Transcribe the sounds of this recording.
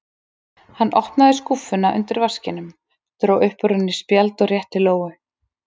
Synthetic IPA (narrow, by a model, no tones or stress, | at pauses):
hanːʔɔhp̪naðɪskufʏnaʔʏ̰nt̪ɪɾvascɪnʏm | t̪ɾowʔʏhpʏɾʏnːɪspjalt̪ɔɣrjɛht̪ɪloːwɣʏ